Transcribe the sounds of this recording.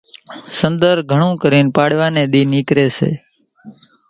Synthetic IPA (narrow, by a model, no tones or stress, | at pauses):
sənd̪əɾɡʱəɳ̃ũːkəɾiːnpaɽʋaːneɗ̪iːnikɾeːsʰḛː